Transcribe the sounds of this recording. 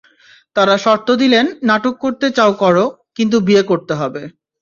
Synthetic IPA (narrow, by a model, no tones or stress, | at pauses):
t̪aɾaʃɔɾt̪od̪ilenːaʈokːoɾt̪et͡ɕaokɔɾo | kint̪̬ubiekoɾt̪eɦɔbe